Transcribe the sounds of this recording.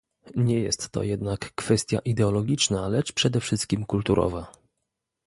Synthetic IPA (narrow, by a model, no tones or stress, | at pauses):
ɲɛjɛ̰st̪ːɔ̰jɛd̪nakːfɛst̪ʲja̰ʔid̪ɛɔlɔɡʲit͡ʂnalɛt͡ʂpʂɛd̪ɛfʂɘst̪kʲimkult̪uɾʔɔ̰va